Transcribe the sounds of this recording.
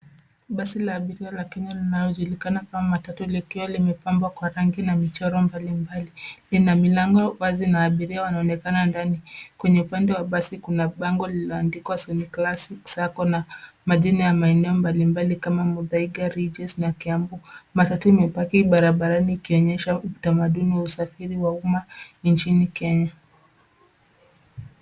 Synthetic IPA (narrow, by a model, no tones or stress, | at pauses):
ɓasilaːɓiɾialakɛɲalinalɔʄulikanakamatatulikiwalimɛpambwakwaɾaŋɡinamit͡ʃɔɾɔmbalimbalilinamilaŋɡɔɓazinaːɓiɾiawanaɔnɛkanandanikwɛɲɛupandɛwaɓasikunaɓaŋɡɔlilɔandikwasɔniklasiksakɔna | maʄinajamaɛnɛɔmbalimbalikamamuðaiɡaɾid͡ʒɛsnakiambumatatuimɛpakiɓaɾaɓaɾaniːkiɔɲɛʃautamaɗuniwausafiɾiwaumant͡ʃinikɛɲa